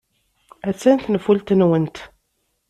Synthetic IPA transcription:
æt͡sːænt̪nəfult̪nwənt̪

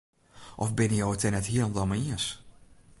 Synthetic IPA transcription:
ʔɔfbɪnəjowətɛnɛthiəlɔmdɔmaiəs

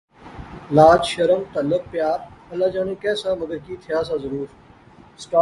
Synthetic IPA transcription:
laːd͡ʒʃəɾəmt̪ələb̚pːjaːɾəlaːd͡ʒaːneːkɛːsãːməɡ̪əɾkiːt̪ʰɪjaːsãːzəɾuːɾ | sʈaː

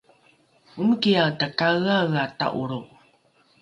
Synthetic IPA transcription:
uməkijatakaɣaɣata̰ʔuɾuʔ

